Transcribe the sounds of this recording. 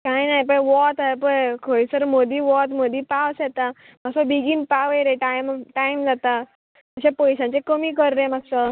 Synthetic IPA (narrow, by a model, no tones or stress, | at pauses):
kajnajpəʋɔt̪apəkʰojsəɾmod̪iːʋɔt̪mod̪iːpaʋsɛt̪a | maksəbiɡiːnpaʋejɾeʈajmʈajmd͡zat̪a | əɕepɔjɕãt͡ɕekəmiːkəɾɾẽm̤aksə